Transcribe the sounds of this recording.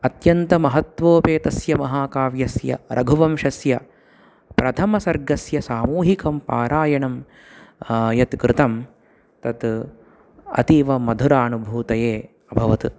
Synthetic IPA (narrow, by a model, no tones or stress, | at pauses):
ɐt̪jɐnt̪ɐmɐɦɐt̪ʋoːpeːt̪ɐsjɐmɐɦaːkaːʋjɐsjɐ̰ɾʔɐɡʱuʋɐmʃɐsjɐ | pɾɐt̪ʰɐmɐsɐɾɡɐsjɐsaːmuːɦikɐmpa̰ːɾaːjɐɳɐm | jɐt̪kɾɪt̪ɐm | t̪ɐt̪ | ɐ̰t̪iːʋɐmɐd̪ʱuɾaːnubʱuːt̪ɐjeː | ɐbʱɐʋɐt̪